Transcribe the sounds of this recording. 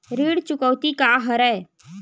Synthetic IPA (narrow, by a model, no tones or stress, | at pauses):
ɾiːɽt͡ʃʊkəwt̪ikaɦəɾɛː